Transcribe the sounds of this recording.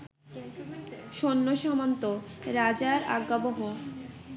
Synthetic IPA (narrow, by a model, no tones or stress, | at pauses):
ʃonːoʃamant̪oɾad͡ʑaɾa̰ɡːaboɦo